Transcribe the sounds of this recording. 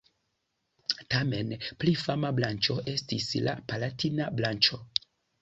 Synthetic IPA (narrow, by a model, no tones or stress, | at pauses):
tame̞nplifamablant͡ʃo̞ʔe̞stisla̰palatʰinablant͡ʃo̞